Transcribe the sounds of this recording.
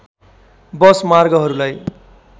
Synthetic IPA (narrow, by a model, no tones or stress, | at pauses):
bʌsmarɡʌɦʌɾulaj